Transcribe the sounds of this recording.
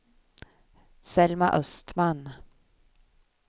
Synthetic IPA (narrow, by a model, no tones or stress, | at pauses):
sɛlma̰ʔœst̪man